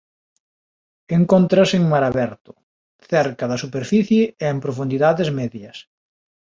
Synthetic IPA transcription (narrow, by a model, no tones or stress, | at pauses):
eŋkont̪ɾaseŋmaɾaβɛɾt̪ʊ̥ | θɛɾkɐðɐsupeɾfiθjeeːmpɾofund̪iðaðezmɛðjɐs